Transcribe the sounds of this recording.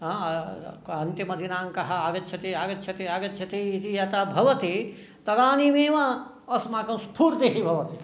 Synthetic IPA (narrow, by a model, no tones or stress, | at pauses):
ɦã | ɐnt̪jɐmɐd̪ʱinãːŋkɐɦɐaɡɐt̪t͡ʃʰɐt̪iaɡɐtt͡ʃʰɐt̪iaːɡɐt̪t͡ʃʰɐt̪ijit̪ijat̪abʱɐʋɐt̪i | t̪ɐɾaːnimeʋã | ɐsmãkɐ̃spʰuːɾt̪eɦibʱɐʋɐt̪i